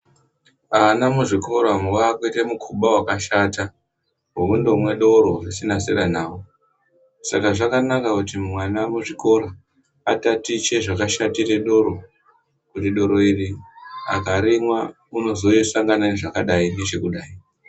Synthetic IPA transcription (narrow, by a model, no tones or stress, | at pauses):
anamuʐiko̞ɾamwakwitemukʰuɓawakaʃata | ɦuundo̞mwe̞ɗo̞ɾo̞risinaseranaːwo | sakaʐakanakakutimmwanamuʐiko̞ɾa | atatit͡ʃe̞ʐakaʃatire̞ɗo̞ɾo̞ | kutiɗo̞ɾo̞iria̰kaɾimwa | uno̞zo̞isaŋɡananeʐakaɗaine̞t͡ʃe̞kuɗaːi